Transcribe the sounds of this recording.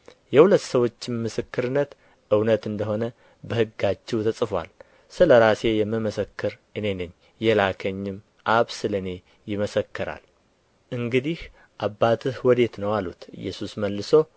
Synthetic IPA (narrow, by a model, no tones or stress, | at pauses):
jɛhulət̪ːsəwo̞t͡ʃːɪmmːɨsɨkːɨɾɨnːət̪ | ʔɨwnət̪ɨnd̪əɦo̞nə | bəhɨɡːat͡ʃːɛwt̪ʰəsʼɨfa̰l | sɨləɾase̞jɛmːɨməsəkːɨɾʔɨne̞nɨɲː | jɛlakʰəɲːɪm | ʔaβsɨlɨne̞ | jɪməsəkːɨɾa̰l | ʔɨŋɡɨd̪ih | ʔabːat̪ʰɨhɨwɔd̪e̞t̪nəwalṵt̪ɨ̰jːɛ̰susməlːɨso̞